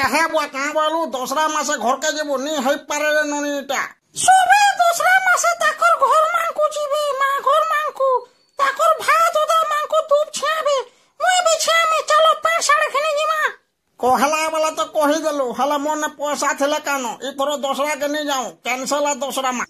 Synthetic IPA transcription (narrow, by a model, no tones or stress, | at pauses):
kaɦɛbakãbalud̪ɔsɾamãsɛɡʱɔɾkɛd͡ʒibuniɦəjpːaɾɛɾenɔniʈa̰ | sobed̪ɔsɾamãset̪akɔɾɡʱɔɾmaŋkud͡ʒibemãɡʱɔɾmãŋku | t̪akɔɾbʱat̪od̪amãŋkod̪uːpt͡ʃʰiãbẽ | moebit͡ʃʰiãmẽt͡ʃalɔpãːt͡ʃsaɽekʰened͡ʒimã | kɔɦɛlabalat̪ɔkɔɦid̪eloɦɛlamɔnɛpɔsat̪ʰilɛkanɔʔit̪ʰɔɾɔd̪ɔsɾak̬enid͡ʒaũkɛnselad̪ɔsɾamã